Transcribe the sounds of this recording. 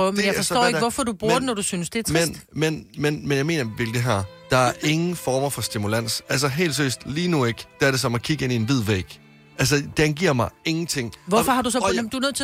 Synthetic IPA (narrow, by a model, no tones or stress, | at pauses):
œʊmnjafɒ̽sɔ̰eɡ̥əʋɒfɒd̥ub̥uɐd̥nɒd̥usynsd̥e̝æɐt͡sʰmend̥menmenmenjɑ̈ɪme̝̰ːnɐʋelɡ̥eɦæɐ | d̥ɑ̈æɐɐʔe̝ŋn̩fɒːmɐfɒ̽sd̥imulæn̰sæls̬ɐɦe̝̰ːlsʰø̰sd̥liːnue̝ɡ̥d̥eæɐɾe̝s̬ɒ̽mækʰiɡ̥əe̝nie̝nʋið̞̰ˠʋḛːɡ̥ | æls̬əd̥eænɡ̥iɐ̰mɑ̈ɪe̝ŋn̩t͡sʰe̝ŋ̰ʋɒfɒhɑ̈d̥usɒ̽md̥uænøð̰ˠt͡sʰe̝